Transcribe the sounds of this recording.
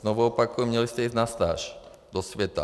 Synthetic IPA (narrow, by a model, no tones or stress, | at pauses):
nɔʋɔɔpakujumɲɛlistɛiːzɟ̪nast̪a̰ːʃd̪ɔsʋɛt̪a̰